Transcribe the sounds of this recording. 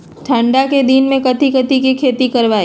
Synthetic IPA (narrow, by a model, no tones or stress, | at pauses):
ʈʰə̃ɳɖaked̪inmẽkɐt̪ikət̪ikikʰeːt̪ikɐɾʋaːiː